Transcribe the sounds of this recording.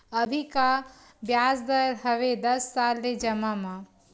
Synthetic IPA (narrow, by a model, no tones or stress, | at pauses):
ɐbʱika | bjaːsd̪ɐɾɦɐʋed̪ɐsːaːlːed͡ʒɐmamã